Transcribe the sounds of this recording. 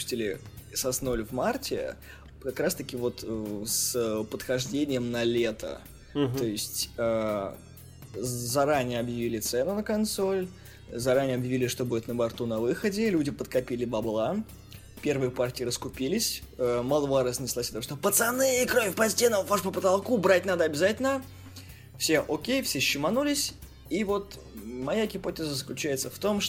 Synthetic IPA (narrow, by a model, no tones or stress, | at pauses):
sʲtʲilʲɪsɐsnolʲvmartʲɪ̰ | kɐkɾast̪əkʲɪvo̞t̪əspət̪xɐʐdʲenʲɪjəmnɐlʲet̪ə̰ | t̪o̞jɪsʲtʲə | zɐɾanʲɪjəɐbjɪvʲilʲɪt̪sɛnʊnəkɐnt̪so̞lʲ | zɐɾanʲɪjəɐbjɪvʲilʲɪʂt̪o̞budʲɪt̪nəbɐrt̪unɐvɨxədʲɪlʲudʲɪpət̪kɐpʲilʲɪbɐblˠa | pʲe̞rvɨjəpart̪ʲɪiɪɾəskʊpʲilʲɪsʲəmalˠəbˠaɾəzʲnʲɪsʲlˠasʲɐt̪ʂt̪opət̪sɐnɨɪkɾovʲɪpɐsʲtʲenəvaʂpəpət̪ɐlˠkubɾatʲnad̪əɐbʲɪzatʲɪlʲnə | fsʲe̞ʔokʲejfsʲeɕːɪmɐnulʲɪsʲ | ivo̞t̪ | mɐjaɡʲɪpotʲɪzəzəklʲʉt͡ɕæjɪt̪səft̪o̞mʂ